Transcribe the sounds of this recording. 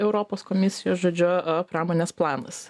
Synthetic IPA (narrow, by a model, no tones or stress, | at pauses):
ɛʊɾɔpoːskomʲɪsʲɪjoːsʒoːd͡ʒʲʊpɾɑːmoːnʲeːsplˠɑːnɐs